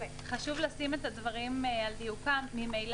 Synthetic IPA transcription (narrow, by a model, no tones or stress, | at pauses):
χaʃuvlasimet̪advaʁimald̪ijukaːimejl